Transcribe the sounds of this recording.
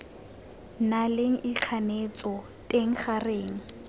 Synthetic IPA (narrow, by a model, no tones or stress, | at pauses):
naleŋ̩ɪq͡χʰanet͡sʼɔ | tʼeŋ̩χareːŋ̩